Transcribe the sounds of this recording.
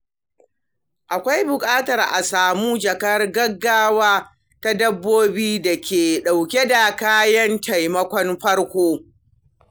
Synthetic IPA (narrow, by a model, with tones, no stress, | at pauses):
ʔa˨kʷa˦jbʊ˨kʼaː˦tɐ˨rʔa˨saː˨muː˦d͡ʒɐ˨kɐ˦rɡɐ˦ɡːaː˦waː˦ | ta˦dɐ˦bːoː˦biː˦da˨kʲeː˨ɗa˨wkʲe˦da˨kaː˦jɐ˦ntʰa˨jmɐ˦kʷɔ˦nɸɐ˦ɽkʷoː˦